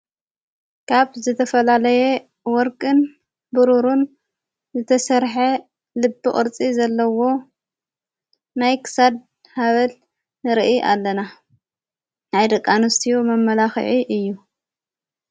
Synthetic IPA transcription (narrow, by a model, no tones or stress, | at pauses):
kʰaβzɨt̪ʰɐfɐlalɐje | wɔɾkʼɨn | bɨɾuɾun | zɨt̪ʰɐsɐɾħe | lɨbːɨχʼɨ̰ɾt͡sʼizɐlːɐwo̞ | najkʰɨ̥sad̪̚ | haβɐl | ɨɾʔiʔa̰lːɐna | najd̪ɐkʼːanɨst̪ʰijomɐmːɐlaxɨ̰ʕiʔɨjːu